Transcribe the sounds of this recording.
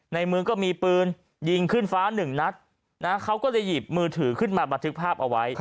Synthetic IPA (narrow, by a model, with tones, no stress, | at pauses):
na˧jmɯ˧kɔː˥˩miː˧pɯː˧n | ji˧ŋkʰɯ˥˩nfaː˦˥nɯ˨˩ŋna˦˥t̪̚ | na˦˥kʰa˦˥wkɔː˥˩la˧˥˩jːiː˨˩p̚mɯː˧t̪ʰɯː˩˦kʰɯ˥˩nmaː˧ba˧nt̪ʰɯ˦˥k̚pʰaː˥˩p̚ʔa˧wa˦˥j